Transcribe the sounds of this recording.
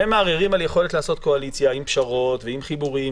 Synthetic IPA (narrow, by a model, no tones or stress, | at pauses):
emaːʁiʁimaljeχo̞le̞tlaːso̞t̪̚ko̞alit͡sjaimpʃaʁo̞tveimχibuʁim